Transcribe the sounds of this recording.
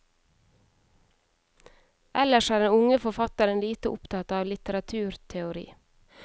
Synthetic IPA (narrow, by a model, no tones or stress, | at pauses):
ʔɛləʃæːɖɛnʊŋəfɔfɑt̪əɾənliːt̪əʔʊpt̪ʰɑt̪ɑːʋlɪt̪əɾɑt̪ʰʉːɾt̪ʰɛʊɾḭː